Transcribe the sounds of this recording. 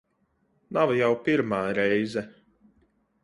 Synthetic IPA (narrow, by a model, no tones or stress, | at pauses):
navjawpiɾmaːɾɛjzɛ